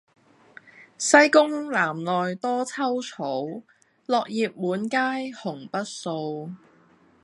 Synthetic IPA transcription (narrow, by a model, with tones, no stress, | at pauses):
sɐ˥jkʊ˥ŋlaː˨˩mlɔː˨jt̪ɔː˥t͡sʰɐ˥wt͡sʰo˨˥w | lɔː˨˧k̚jiː˨p̚muː˨˥nkaː˥jhʊ˨˩ŋpɐ˥t̚so˧w